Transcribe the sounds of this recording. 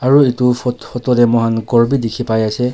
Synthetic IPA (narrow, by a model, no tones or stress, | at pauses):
aɹuitufɔtfʰɔtɔɾɛmɔɦanɡɔɹbidikʰipajasɛ